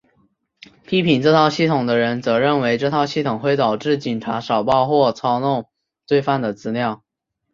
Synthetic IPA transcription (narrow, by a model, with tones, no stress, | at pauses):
pʰi˥pʰi˨˩nʈ͡ʂɤ˥˧t̪ʰɑ˥˧ʊɕi˥˩t̪ʰʊ˨˩ŋd̪ə˦ɻə˧˥nt͡sɤ˧˥ɻə˥˩nwe˧˥ɪʈ͡ʂɤ˥˧t̪ʰɑ˥˧ʊɕi˥˩t̪ʰʊ˨˩ŋxwe˥˩ɪt̪ɑ˨˩ʊʈ͡ʂɻ̩˥˩t͡ɕi˨˩nʈ͡ʂʰa˧˥ʂɑ˨˩ʊpɑ˥˧ʊxwɔ˥˩t͡sʰɑ˥ʊnʊ˥˧ŋ | t͡swe˥˧ɪfa˥˩nd̪ə˩t͡sɹ̩˧˥ljɑ˥˩ʊ